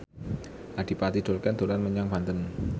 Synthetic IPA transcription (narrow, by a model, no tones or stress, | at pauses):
ʔad̪̥i̤pat̪id̪̥o̤lkɛnd̪̥o̤ɾanməɲaŋb̥ant̪ən